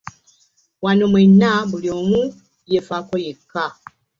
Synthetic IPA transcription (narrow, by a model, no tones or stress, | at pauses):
wanomwenːabulio̞mu | jefakojekːa